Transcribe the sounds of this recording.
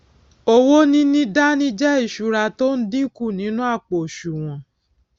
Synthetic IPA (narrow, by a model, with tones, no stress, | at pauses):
o˧wo˦nĩ˦nĩ˦da˦nĩ˦d͡ʒɛ˦i˦˨ʃu˨˧ɾa˧to˦n̩˦dĩ˦ku˦˨nĩ˨˦nũ˦a˦˨k͡po˨ʃu˨w̃ɔ̃˨